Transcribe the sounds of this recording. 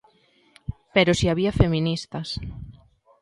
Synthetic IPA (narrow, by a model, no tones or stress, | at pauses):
peɾʊsiaβ̞iɐfemĩnist̪ɐs